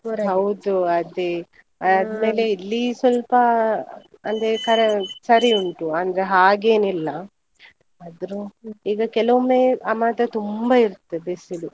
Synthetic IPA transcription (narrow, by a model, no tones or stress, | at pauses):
ɦɐwd̪uɐd̪e | ɐd̪me̞ːleilːisʋɐlpɐ | ɐnd̪ɾekɐɾesɐɾiuɳʈuɐnd̪ɐɾeɦaːɡeːnilːɐ | ɐd̪ɐɾuiːɡɐkɛlɐʋumeːɐmaːt̪ɐt̪umbɐiɾt̪ːebisilu